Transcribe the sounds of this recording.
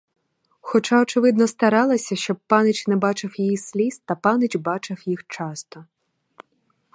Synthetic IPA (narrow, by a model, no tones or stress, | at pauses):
xɔt͡ʃaɔt͡ʃɪʋɪd̪nɔst̪ɐɾɑlˠɐsʲɐʃt͡ʃɔb̚pɑnɪt͡ʃnɛbɑt͡ʃɪwjijisʲlʲist̪ɐpɑnɪt͡ʃbɑt͡ʃɪwjixt͡ʃɑst̪ɔ